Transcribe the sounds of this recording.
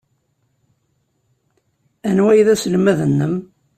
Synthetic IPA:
ænwæjðæsəlmæðənːəm

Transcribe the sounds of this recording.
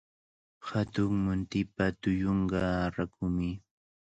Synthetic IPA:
hat̪ʊŋmʊnt̪ɪpat̪ʊjoɴɢɑɾakʊmɪ

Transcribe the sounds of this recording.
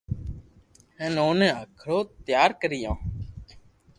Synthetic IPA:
hə̃ːnoːnẽːakʰɽoːt̪jaːɾkəɾɪjãː

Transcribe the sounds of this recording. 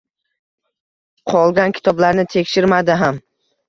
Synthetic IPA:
qʰɒlˠɡʲankʲʰɪ̥t̪ʰɒblaɾnɪt̪ʰe̞kʲʃɪɾmad̪ɪɦam

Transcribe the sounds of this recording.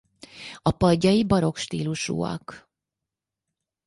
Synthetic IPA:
ɒpɒɟːɒjibɒɾo̞kʃt̪iːluʃṵːɒ̰k

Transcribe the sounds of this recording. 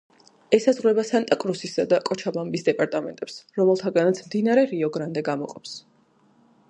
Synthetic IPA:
ɛsazʁwɾɛbasant̪ʼakʼɾusisad̪akʼɔt͡ʃʰabambisd̪ɛpʼaɾt̪ʼamɛ̰nt̪ʼɛpsɾɔmɛlˠt̪ʰaɡanat̪sʰmd̪inaɾɛɾiɔɡɾand̪ɛɡamɔqʼɔps

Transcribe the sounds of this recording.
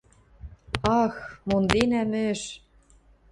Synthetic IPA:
ɑxmond̪enæmɘ̆ʃ

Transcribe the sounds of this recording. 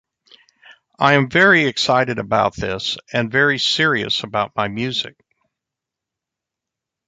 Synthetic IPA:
aɪɨ̃ɱvɛɹiɨksaɪɾɨɾɨbaʊt̪̚ðɪsɨ̃nvɛɹisɪɹiɨ̰səbaʊt̚maɪmjʉzɨ̰k̚

